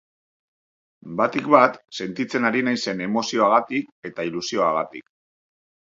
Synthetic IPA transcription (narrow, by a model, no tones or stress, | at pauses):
bat̪ikbat̪se̞nt̪it͡se̞naɾinajse̞ne̞mo̞sio̞aɣ̞at̪ike̞t̪ailusio̞aɣat̪ḭk